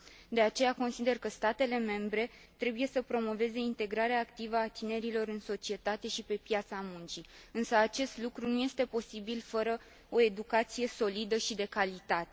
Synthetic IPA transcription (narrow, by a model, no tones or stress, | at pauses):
d̪e̞at͡ʃe̞jako̞nsid̪e̞rkəst̪at̪e̞le̞me̞mbɾe̞t̪ɾe̞buje̞səpɾo̞mo̞ve̞ze̞int̪e̞ɡɾaɾeaːkt̪ivəat̪ine̞ɾilo̞ɾɨnso̞t͡ʃie̞t̪at̪e̞ʃipe̞pjat̪samunt͡ʃiɨnsəat͡ʃe̞st̪lukɾunuje̞st̪e̞po̞sibilfəɾə | o̞e̞d̪ukat̪sije̞so̞lid̪əʃid̪e̞kalit̪at̪e̞